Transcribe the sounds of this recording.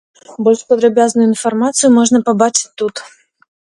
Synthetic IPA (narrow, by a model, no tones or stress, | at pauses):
bolʲʂpəd̪ɾɐbʲaznʊjʊɪnfɐrmat̪sɨjʊmoʐnəpɐbat͡ʂɪ̥tʲt̪ːut̪